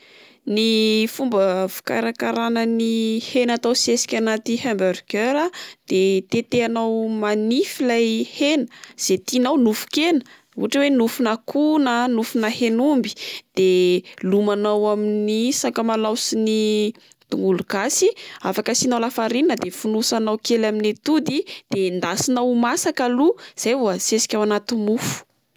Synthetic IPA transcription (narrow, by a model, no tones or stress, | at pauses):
nifumbəvu̥ka̰ɾakaɾanənihenat̪awsiesi̥kʲanat̪ihambəɾɡeɾad̪̥et̪et̪eanawmanifilajhenə̥z̥et̪inawnufu̥kenə̥ | ṵaʈ͡ʂəwenufunakʰunənufunəhenumbi̥d̪̥elumanawaminisakəmalawsini | t̪uŋɡuluɡasiafakəsinawlafaɾinnəd̪efunusanawkelaminet̪ud̪id̪̥end̪asinawmasakaluz̥ajvuəsesi̥kʲawanat̪imufu̥